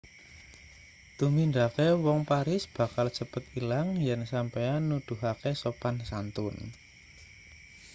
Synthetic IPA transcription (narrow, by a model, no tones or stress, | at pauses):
t̪umind̪akewɔŋpaɾɪsb̥a̤kalt͡ʃəpət̪ilaŋjansampejanud̪̥ṳɦakesopansant̪ʊn